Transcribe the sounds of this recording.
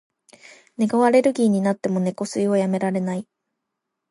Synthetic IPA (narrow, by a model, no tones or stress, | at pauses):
ne̞ɡaβaɾe̞ɾɯ̟ɡʲiːɲ̟inat̪ːe̞mo̞ne̞ko̞sɨiojame̞ɾaɾe̞nai